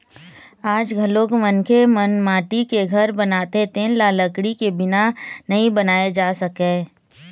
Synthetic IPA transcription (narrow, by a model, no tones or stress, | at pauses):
aːd͡ʒɡʱɐloːkmənkʰemɐnmaːʈikeɡʱɐɾbɐnaːt̪et̪ẽːlaːləkɽikebɪnanɐɦĩbənaːed͡ʒaːsɐkẽː